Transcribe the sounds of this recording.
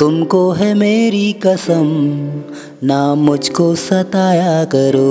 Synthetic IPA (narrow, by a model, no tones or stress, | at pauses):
t̪ʊmkoɦɛmeːɾikɐsəm | namʊd͡ʒʱkosɐt̪aːjakɐɾoː